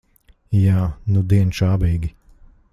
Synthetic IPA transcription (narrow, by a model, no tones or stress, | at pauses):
jaːnud̪iɛnʃaːbiːɡʲi